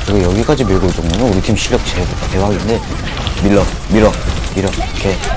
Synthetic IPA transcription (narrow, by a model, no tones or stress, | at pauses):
kɯɾiɡejʌɡik͈ad͡ʑimiɭɡot͡ɕʌŋdunɯnuɾitʰimɕʰiʎːjʌk̚t͡ɕʰe | tewaɦaɡende̞ | miɭːʌ | miɾʌiɾʌkke